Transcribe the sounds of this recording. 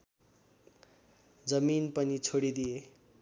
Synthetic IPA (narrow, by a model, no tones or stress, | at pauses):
d͡zʌminpʌnit͡sʰoɽid̪ije